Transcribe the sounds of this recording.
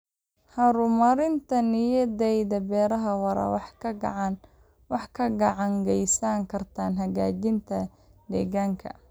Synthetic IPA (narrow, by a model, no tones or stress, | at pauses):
hɐɾʊmɐɾɪnt̪ʰɐnɪjɐðɛjðɐbɛːɾɐɦɐwɐɾɐ̰wħɡ̰ʕɑn | wɑħkʰɐɡɐʕɑŋɡɛjsaːŋkʰɐrt̪ʰaːnɦɐɣaːt͡ʃɪnt̪ʰɐ | d̪ɛːɣaːŋkʰɐ̰